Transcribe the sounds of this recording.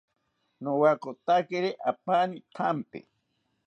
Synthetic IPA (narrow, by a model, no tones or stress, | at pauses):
nowakot̪akeɾeʔapanit̪ʰampḛ